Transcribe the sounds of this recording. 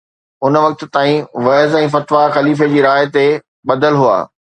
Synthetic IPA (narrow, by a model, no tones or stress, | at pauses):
ʊnʋɐk̚t̪̆t̪aːĩʋɐːzɛ̃ːfɐt̪ʋaxɐliːf̬ed͡ʑiːɾaːɦɪt̪e | ɓɐd̪əlɦua̰ː